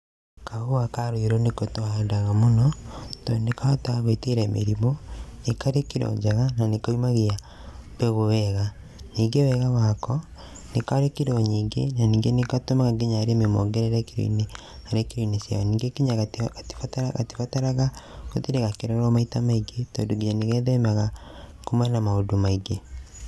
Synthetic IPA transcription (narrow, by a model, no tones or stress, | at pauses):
kaɣoakaɾuiɾonekotohandaɣamonɔtonekaotaɣeteɾɛmḛɾimonekaɾekiɾo̰ɲd͡ʒaɣananekaimaɣia | beɣowɛɣa | niːŋɡewɛɣawaːkɔ | nekaɾekiɾoɲiːŋɡḛnaniːŋɡenekatomaɣaɡeɲaːɾememoŋɡeɾeɾɛkiɾḭine | aɾekeɾinesa̰ɔniːŋɡekiɲaɣaati̥fatɣa̰ti̥fataɾaɣaɣotiɾeɣakeɾɔɾɔmaitamaiɡetɔ̰ːdoɡiɲaneɣɛðɛmaɣakomanamaodomaiɡe